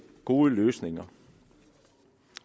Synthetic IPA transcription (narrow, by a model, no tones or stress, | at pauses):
ɡ̥oːəløːsnɪŋɐ